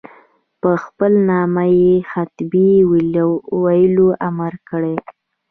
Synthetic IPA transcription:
pəxpəlnɑmajexat̪biwwajəloʔamaɾkəɽe

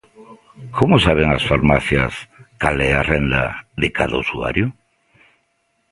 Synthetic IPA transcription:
kʰomʊsaβeŋasfaɾmaθjɐskalɛarɛnd̪a̰ðɪkʰa̰ðausua̰ɾjʊ

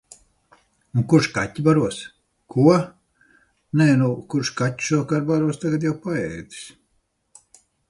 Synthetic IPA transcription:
ukuɾʃkatʲːibaɾuɔs | kʰuɔ | nɛːnukuɾʃkatʲːu̥ʃuɔkaɾbaɾuɔst̪aɡat̪jawpaɛjd̪i̥s

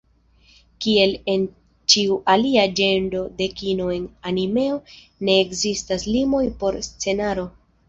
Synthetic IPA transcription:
kie̞le̞n | t͡ʃiuʔaliad͡ʒe̞nɾo̞de̞kino̞e̞nanime̞o̞ | ne̞ːkzistaslimo̞jpo̞ɾst͡se̞naɾo̞

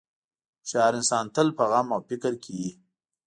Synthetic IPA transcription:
ʃɑːɾɪnsɑːnt̪əlpəɣamawpikəɾkʰiji

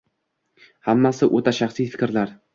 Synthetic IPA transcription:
hamːasɪʔo̰t̪ʰaʃaχsijfɪ̥kʲɾlaɾ

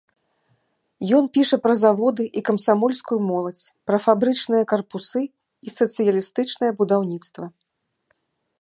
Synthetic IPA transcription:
jɔnpʲiʂɐpɾɐzavɔd̪ɨʔikɐmsamɔlʲskujumɔlˠɐt͡sʲpɾɐfabɾɨt͡ʂnɨjɐkɐrpusɨ | isɐt̪sɨjɐlʲist̪ɨt͡ʂnɐjɐbud̪awnʲit̪st̪vɐ

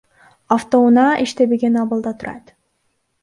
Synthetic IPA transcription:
aft̪ounɑiʃt̪ebeɡʲenɑβɑlˠd̪ɑt̪ʰuɾɑ̰t̪

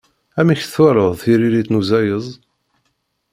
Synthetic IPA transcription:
æmiçθwæɾəðˤθiɾilit̪nuzæjəzˤ

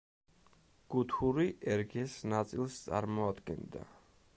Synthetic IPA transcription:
ɡ̥ut̪ʰuɾiʔɛɾɡɛsnat̪sʼilˠst̪sʼa̰ɾmɔad̪ɡɛnd̪a̰

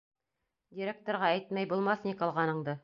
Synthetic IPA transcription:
dʲiɾʲek̚t̪oɾʁɑæjt̪mæjbulˠmɑθnʲikŏlˠʁɑnɤ̆ɴd̪ɤ

